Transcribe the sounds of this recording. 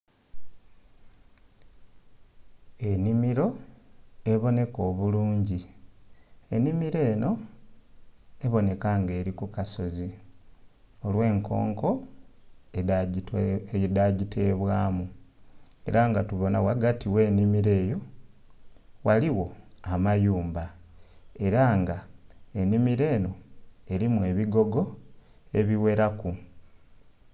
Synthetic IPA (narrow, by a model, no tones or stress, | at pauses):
e̞nimiɾo̞ | e̞βo̞ne̞ko̞ːβuluːɲɟi | e̞nimiɾe̞ːno̞ | e̞βo̞ne̞kaŋɡe̞ːɾikukaso̞zi | o̞lwe̞ːŋko̞̰ːŋko̞ | daɟitʰe̞ːβwaːmu | e̞̰ɾaŋɡatuβo̞nawaɡatiwe̞ːnimiɾe̞ːjo̞ | waliwo̞amajuːmba | e̞ɾaŋɡae̞nimiɾe̞ːno̞e̞ɾimue̞ːβiɡo̞ɡo̞ | e̞βiwe̞ɾaku